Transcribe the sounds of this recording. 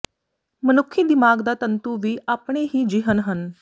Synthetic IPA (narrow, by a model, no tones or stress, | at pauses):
mənukʰːiːd̪imaːɡd̪at̪ənt̪uʋiːʔaːpɳ̃eɦiːd͡ʒiɦənɦən